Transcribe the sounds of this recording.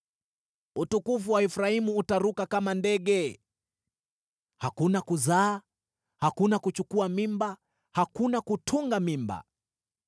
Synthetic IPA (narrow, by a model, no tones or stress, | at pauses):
utukufuwaifɾaimuːtaɾukakamandɛɠɛ | hakunakuzaː | hakunakut͡ʃukuamimba | hakunakutʰuŋɡamimba̰